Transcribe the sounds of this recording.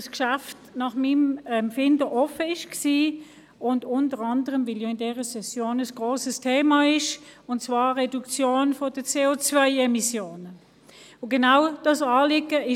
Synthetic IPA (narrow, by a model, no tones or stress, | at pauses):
skʃaftnɑχmimɛmfɪndəʔɔfəɪʃksiː | ʊndʊntəʁɑndəʁəmviljoɪndɛːʁəsɛsjoːnəsɡ̥ʁoːsəstʰeːmɑɪʃʊntt͡svɑːɛdukt͡sjoːnfod̥ət͡seːot͡svœɪɛmisjoːnə | oɡenaʊd̥ɑsɑːlɪɡəɪ